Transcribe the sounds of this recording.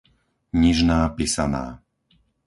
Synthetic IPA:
ɲiʒnaːpisana̰ː

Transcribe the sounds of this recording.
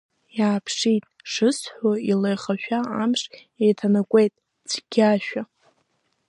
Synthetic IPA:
jaːpʰʂitʼʂɨsħʷoilejχaʃᶣaamʂ | ejtʰanakʷʼe̞jtʼ | t͡sʷʰɡʲaʃᶣa

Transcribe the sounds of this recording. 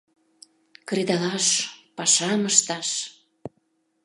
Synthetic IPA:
kɾed̪ɑlɑʃpɑʃɑməʃt̪ɑʃ

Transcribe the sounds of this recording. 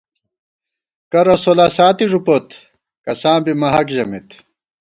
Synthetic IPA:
kɐɾɐsolasaːt̪iʐupot̪ | kɐsãːbimɐɦɐkʑɐmit̪

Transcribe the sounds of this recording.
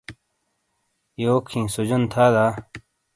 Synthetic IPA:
joːkʰĩːsud͡ʑɐnt̪ʰaːd̪aː

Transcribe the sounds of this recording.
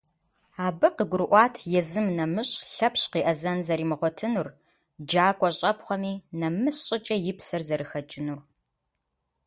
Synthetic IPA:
aːbɨqəɡʷʊɾɨʔʷɑːtʰjɛzɨmnɐmɨɕʼɬɐpɕqiːʔɐzɐnzɐɾiːmɨʁʷɔtʰɨnur | d͡ʒaːkʷʼɔɕʼɐpχʷɔmiːnɐmɨsɕʼɪt͡ʃʼɐjɪpsɐrzɐɾɨxɐt͡ʃʼɪnur

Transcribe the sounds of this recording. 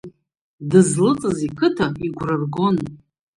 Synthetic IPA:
dɨzlɨt͡sʼɨzikʰɨtʰaiɡʷrarɡo̞n

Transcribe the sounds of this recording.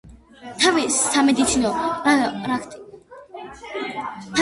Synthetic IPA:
t̪ʰavɛsamɛd̪it̪sʰinɔaɾakʰt̪ʼi | t̪ʰ

